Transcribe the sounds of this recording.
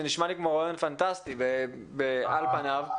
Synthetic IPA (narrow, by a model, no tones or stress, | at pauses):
eniʃmalikmoʁajonfant̪ast̪ibe | bealpanav